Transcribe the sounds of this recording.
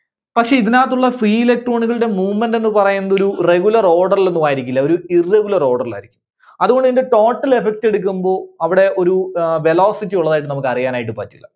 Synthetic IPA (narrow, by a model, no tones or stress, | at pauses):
pɐkʂe̞ːiðinaːt̪ːuɭːɐfriːilek̚ʈro̞ːɳikɐɭɨɽe̞muːmːɐnde̞nːɨpɐrɐjːunːɐðo̞ɾure̞ɣulɐro̞ːɽɐrile̞nːumaːjiɾikʲːilːɐo̞ɾuirːeɡulɐro̞ːɽɐrla̰ːjiɾikʲːum | ɐðuɣo̞ɳɖiinde̞ʈo̞ːʈːɐle̞fek̚te̞ɽuk̬ʲːumbo̞ːɐʋiɽe̞ʔo̞ɾuʋe̞lo̞ːsitːijuɭːɐðaːjiʈːɨnɐmukːɨɐrijaːnaːjiʈ̬ːɨpaːtːilːɐ̰